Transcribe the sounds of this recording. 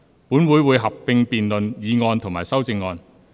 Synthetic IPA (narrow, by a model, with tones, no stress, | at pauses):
puː˨˥nwuː˨˧˥jwuː˨˧jɦɐ˨p̚ːɪ˧ŋpiː˨nlɵ˨njiː˨˧ŋɔː˧nt̪ʰʊ˨˩ŋmaː˨˩sɐ˥wt͡sɪ˧ŋːɔː˧n